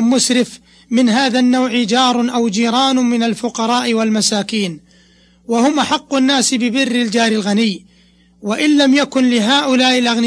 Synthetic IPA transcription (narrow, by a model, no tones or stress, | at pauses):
mːʊsɾɪf | mɪnɦaːðanːawʕɪd͡ʒɑːɾˤʔawd͡ʒiːɾˤɑːnʊmɪnalfʊqɑɾˤɑːʔɪwalmasaːkiːn | wahʊmʔaħɑqːʊnːaːsbɪbɪrːɪld͡ʒaːɾɪlɣanɪjː | waʔɪnlamjakʊnlɪɦaːʔʊlaːʔɪlʔaɣnɪ